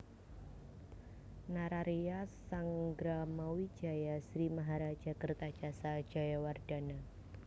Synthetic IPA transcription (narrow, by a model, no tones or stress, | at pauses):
naɾaɾiasaŋɡɾamawid͡ʒajasɾimaɦaɾad͡ʒakərt̪ḁd͡ʒasḁd͡ʒajaward̥ana